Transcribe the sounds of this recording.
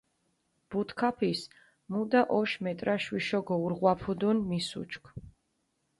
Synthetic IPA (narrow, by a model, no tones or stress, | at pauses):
b̥ut̪ʰkʰapʰis | mud̪aʔɔʃmɛt̪ʼɾaʃwiʃɔɡɔuɾʁwapʰud̪unmisṵt͡ʃʰkʰ